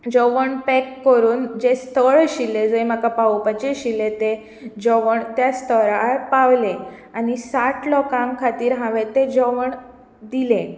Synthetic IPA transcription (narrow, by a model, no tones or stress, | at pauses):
d͡ʑɔʋəɳpɛkːəɾuːnd͡ʑest̪ʰəɭɕilːed͡zoem̤akapaupat͡ɕeɕilet̪e | d͡ʑɔʋəɳt̪jast̪ʰəɾapaʋle | anisaʈʰlɔkãŋkʰat̪iːɾɦãʋet̪ed͡ʑɔʋəɳ | d̪ilẽ